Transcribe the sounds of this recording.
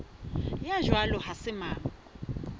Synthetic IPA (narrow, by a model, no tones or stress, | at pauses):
jaʒwalɔhasɪmaːŋa